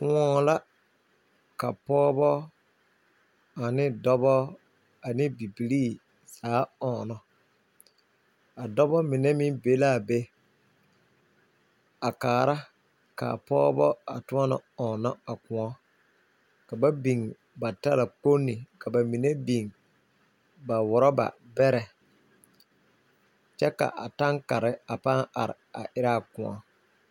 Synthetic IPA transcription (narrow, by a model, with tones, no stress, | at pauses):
kʊ˦ɔ˦la˦ | ka˨pɔː˦bɔ˦ | a˨nɪ˦dɔ˦bɔ˦ | a˨nɪ˦bi˨bi˨liː˦ | saː˨˦ɔː˨nɔ˨ | a˨dɔ˦bɔ˦mɪ˨nɛ˦mɪ˦be˨˦la˦˨be˦ | a˨kaː˨ɾa˦ | ka̰˨a̰˨pɔː˦bɔ˦a̰˨tʊ˦ɔ˦nɔ̰˨ɔ˨nɔ˦a˨kʊ̃˨ɔ˦ | ka˨ba˦bi˨ŋ | ba˨ta˦la˨k͡po˦nːi˨ka˨ba˨mi˨ne˦bi˨ŋ | ba˨wʊ˨ɾɔ˦ba̰˨ | bɛ˦ɾɛ˨ | t͡ʃɛ˦ka̰˨ʔa˨ta˦ŋka˨ɾɪ˦a˨pa˦a˨ɾɪ̰˨a̰˨ʔɪ˦ɾa˦˨kʊ̃˨ɔ̰˦